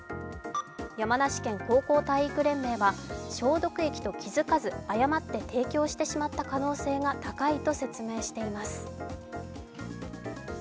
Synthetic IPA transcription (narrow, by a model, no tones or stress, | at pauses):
jamanaɕi̥kẽ̞ŋko̞ːko̞ːt̪aiikɯ̟ɾẽ̞mːe̞ːβaɕo̞ːd̪o̞kɯ̟e̞kʲi̥t̪o̞kʲʰizɨkazɨajamat̪ːe̞t̪ʰe̞ːkʲo̞ːɕi̥t̪e̞ɕimat̪ːakano̞ːse̞ːɡat̪akait̪o̞se̞t͡sɨme̞ːɕi̥t̪e̞imasɨ̥